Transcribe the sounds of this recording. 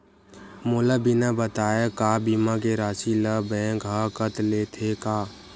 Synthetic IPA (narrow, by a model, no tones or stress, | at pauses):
moːlabɪnabət̪aːjekaːbiːmak̬eɾaːʃiləbɛ̃ːɡɦakət̪leːt̪ʰekaː